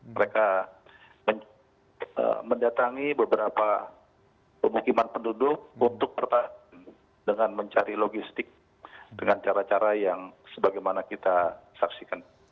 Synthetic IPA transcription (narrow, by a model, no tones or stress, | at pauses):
məɾeka | məɲ | ə̰məndat̪aŋibəbəɾapa | pəmukimanpəndudʊk̚unt̪ʊk̚pərt̪aan | dəŋanməɲt͡ʃaɾiloɡist̪ɪk̚ | dəŋant͡ʃaɾat͡ʃaɾajaŋsəbaɡajmanakit̪asaksikan